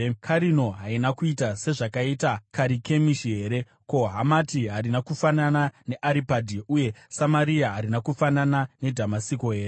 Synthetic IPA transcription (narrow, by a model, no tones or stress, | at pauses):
kʰaɾino̞ɦainakuitase̞ʐakaiːtakaɾike̞miʃiɦe̞ːɾe̞ | ko̞ɦamatiɦaɾinakufananane̞ʔaɾipadʱiʔuje̞samaɾiaɦaɾinakufananane̞dʱamasiko̞ɦe̞ːɾe